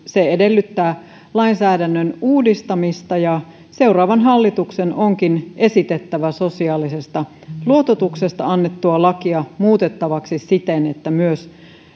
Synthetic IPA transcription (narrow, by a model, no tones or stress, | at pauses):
seedelːyt̪ːæː | lɑinsæːdænːønuːdist̪ɑmist̪ɑjɑ | se̞urɑːʋɑnɦɑlːit̪uksenoŋkine̞sit̪et̪ːæʋæso̞siɑːlise̞st̪ɑ | luo̞t̪ot̪uksest̪ɑɑnːet̪ːuɑlɑkiɑmuːt̪et̪ːɑʋɑksissit̪enet̪ːæmyøs